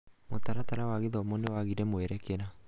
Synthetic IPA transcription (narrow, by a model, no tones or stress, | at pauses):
motaɾataɾawaɣeðɔmonewaɣiɾɛmoɛɾɛkeɾa